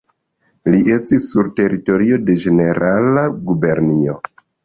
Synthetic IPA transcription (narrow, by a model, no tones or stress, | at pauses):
liʔe̞stisːuɾte̞ɾito̞ɾio̞de̞d͡ʒe̞ne̞ɾalaɡube̞ɾnio̞